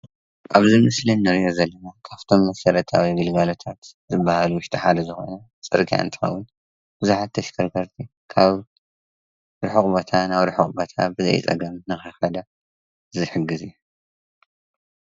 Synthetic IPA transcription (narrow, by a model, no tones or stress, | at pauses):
ʔaβzimɨslinɨɾijozɐlːɐnakʰaft̪ʰo̞mːɐsɐlɐt̪ʰawiɡɨlɡalo̞t̪ʰat̪zɨbːahaluwʊʃt̪ʼiħad̪ɐzɨxo̰nɐ | t͡sʼɨ̰ɾɡʰija̰ɨnt̪ʰɨ̥xɐ̰wːʊn | b̥ɨzuħat̪ːʰɐʃkʰɐɾkʰɐɾt̪ʰi | kʰaβ | ɾɨħɨkʼbot̪ʰanaβɾɨħɨχʼbot̪ʰa̰bɨzɐ̰jt͡sʼɐ̰ɡɐmnɨxɐxɐd̪a | zɨħɨɡːɨziju